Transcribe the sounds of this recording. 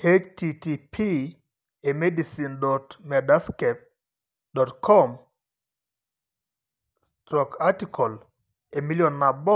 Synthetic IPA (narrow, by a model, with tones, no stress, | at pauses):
he˦t͡ʃtitipʰi | e˨me˦di˨sindɔ˨tmɛ˨da˦skɛp̚ | dɔ˨tkʰɔm | stɾɔ˨katikʰɔ˨l | e˨mi˦ljɔ˨nːa˨bɔ˦